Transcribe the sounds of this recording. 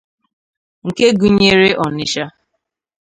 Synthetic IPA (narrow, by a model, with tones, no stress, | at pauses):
ŋ̩˨ke˦ɡu˨ɲe˦ɾe˦ʔɔ˨nɪ˦ʃa˦